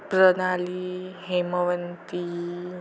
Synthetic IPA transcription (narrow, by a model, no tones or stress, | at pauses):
pɾənaliɦeməʋənt̪i